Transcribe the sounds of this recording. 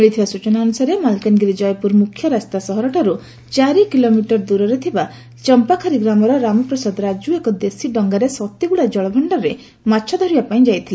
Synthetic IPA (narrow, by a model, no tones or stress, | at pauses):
meɭit̪ʰibasut͡ʃɔnaːnusaɾemalkanɡiɾid͡ʒɔjɔpuɾmukʰjɔɾast̪asɔɦɔɾɔʈɔɾu | t͡ʃaɾikilomiʈɔɾd̪uɾɔɾet̪ʰiba | t͡ʃɔmpakʰaɾiɡɾamɔɾɔɾamɔpɾɔsɔd̪ɔɾad͡ʒuekɔd̪esiɖɔŋɡaɾesɔt̪ːiɡuɽad͡ʒɔɭɔbʱɔɳɖɔɾe | matːʃʰɔd̪ʱɔɾibapaĩd͡ʒajt̪ʰili